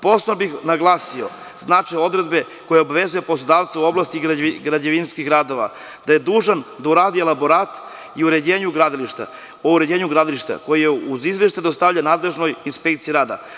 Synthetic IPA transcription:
po̞snobixnaɡlˠaːsio̞̰ | znat͡ʃejo̞d̪ɾed̪be̞ | ko̞jeobaʋe̞zuje̞po̞slˠod̪aːʋt̪sauo̞blast̪iɡɾad͡ʑeʋinskiɡɾaːd̪oʋa̰ | d̪̥aje̞d̪uːʒand̪auɾaːd̪ielaboɾaːt̪ | iuɾe̞d͡ʑeːɲuɡɾad̪iliʃt̪a̰ | o̞uɾed͡ʑe̞ːɲuɡɾad̪iliʃt̪a̰ko̞jijeuzizʋjeʃt̪ad̪ost̪aʋʎanaːd̪le̞ʒno̞jinspe̞kt̪sijiɾaːd̪a̰

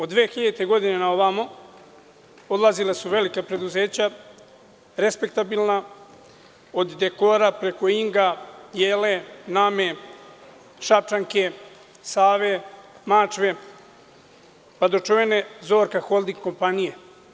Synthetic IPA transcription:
od̪d̪ʋeːxiʎet̪eɡo̞d̪inenaoβamo | o̞d̪lˠazilesuʋe̞likapɾe̞d̪uzeːt͡ɕa | ɾe̞spek̚t̪abilna | od̪ːe̞ko̞ɾapɾe̞ko̞iŋɡajeːle̞name | ʃap̚t͡ʃaŋke̞ | saːʋemat͡ʃʋe̞ | pad̪o̞t͡ʃoʋe̞ne̞zo̞ːɾkaxo̞lˠd̪iŋɡko̞mpanije

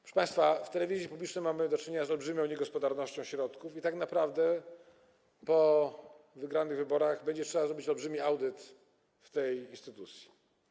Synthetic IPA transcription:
pʂɛpãjst̪faft̪ɛlɛvʲizʲjipublʲit͡ʂnɛjmamɘd̪ɔt͡ʂɘɲeɲazɔlbʐɘmʲɔ̃w̃ɲɛɡɔspɔd̪aɾnɔɕt͡ɕɔ̃w̃ɕɾɔt̪kufit̪aknapɾavd̪ɛ | pɔ | vɘɡɾanɘɣvɘbɔɾaɣbɛɲd͡ʑɛtʂɛbazɾɔbʲit͡ɕɔlbʐɘmʲiawd̪ɘt̪ | ft̪ɛjinst̪ɘt̪ut̪sʲji̥

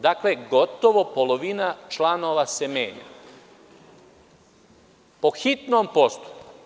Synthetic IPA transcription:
d̪akleɡo̞t̪o̞ʋo̞polo̞ʋinat͡ʃlano̞ːʋase̞mjeːɲa̰ | po̞xit̪nompo̞st̪u̥pku̥

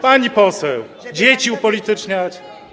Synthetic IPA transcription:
paɲipɔsɛw | d͡ʑet͡ɕiupɔlit̪ɨt͡ʂɲaɾ

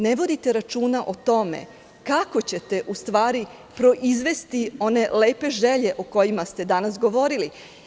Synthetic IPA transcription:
neʋo̞d̪it̪eɾat͡ʃuːnaʔot̪o̞mḛ | kako̞t͡ɕe̞t̪e̞ʔust̪ʋaːɾi | pɾo̞ʔizʋe̞st̪io̞ne̞le̞ːpe̞ʒe̞ʎe̞ʔoko̞jimast̪e̞d̪anasɡo̞ʋo̞ɾili

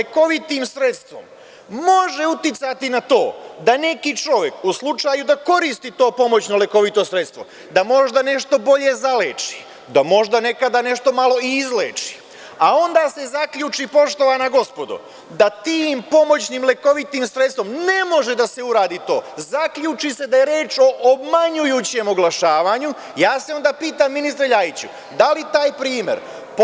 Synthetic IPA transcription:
leko̞ʋit̪iːmsɾe̞t̪st̪ʋo̞̰m | mo̞ʒe̞ut̪jit̪sat̪inat̪o̞̰ːd̪ane̞kit͡ʃo̞ʋe̞kuslˠut͡ʃaːjud̪ako̞ɾiːst̪iːt̪o̞ːpo̞mo̞t͡ɕnoleko̞ʋit̪o̞sɾe̞t̪st̪ʋo̞̰ | d̪amo̞ʒd̪ane̞ʃt̪o̞bo̞ʎe̞zaleːt͡ʃi̥ | d̪amo̞ʒd̪ane̞kad̪ane̞ʃt̪o̞malo̞iːzlḛːt͡ʃi̥ | ao̞nd̪aːse̞zakʎuːt͡ʃipo̞ʃt̪o̞ʋanaɡo̞spo̞d̪ṵ | d̪at̪iːmpo̞mo̞t͡ɕnimleko̞ʋit̪imsɾet̪st̪ʋomne̞mo̞ʒe̞d̪ase̞uɾaːd̪iːt̪o̞̰ːzakʎuːt͡ʃise̞d̪aje̞ɾjeːt͡ʃo̞ʔobmaɲujuːt͡ɕe̞moɡlˠaʃaːʋaːɲu | jaːse̞o̞nd̪aːpiːt̪amːinist̪ɾeʎajit͡ɕṵ | d̪alit̪aːjpɾiːme̞̰ɾ | p

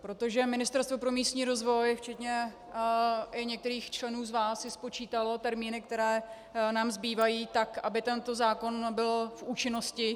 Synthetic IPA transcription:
pɾo̞t̪o̞ʒɛmɪnɪst̪ɛɾst̪vo̞pɾo̞miːst̪ɲiːɾo̞zvo̞jft͡ʃɛt̪ɲɛ | ɪɲɛk̚t̪ɛɾiːxt͡ʃlɛnuːzvaːsɪspo̞t͡ʃiːt̪alo̞t̪ɛɾmiːnɪk̚t̪ɛɾɛː | naːmzbiːvajiːt̪akʔabɪt̪ɛnt̪o̞zaːko̞nbɪlfʔuːt͡ʃɪno̞scɪ

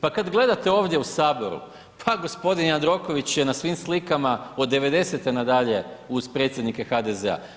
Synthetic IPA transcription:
pakad̪ɡle̞d̪at̪e̞o̞ːʋd̪jeusaːbo̞ɾṵ | pʰaɡo̞spo̞d̪inand̪ɾo̞ko̞ʋit͡ɕje̞nasʋiːmslikamaod̪e̞ʋe̞d̪e̞se̞t̪e̞nad̪aʎe̞uzpɾe̞t̪sʲje̞d̪nike̞xad̪ezḛa̰

